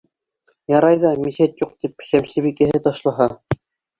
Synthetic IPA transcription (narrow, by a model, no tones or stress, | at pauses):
jɑɾɑjðɑmisæt̪juq̚t̪ipɕæmsɘβikæɦɘt̪ɑʃlˠɑɦɑ